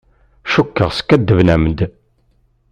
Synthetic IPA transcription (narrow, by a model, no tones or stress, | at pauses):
ʃukːəʁsə̥kːæd̪ːəvnæmd̪